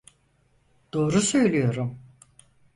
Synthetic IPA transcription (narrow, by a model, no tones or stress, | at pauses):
d̪̥o̞ːɾusø̞jlʲijo̞ɾum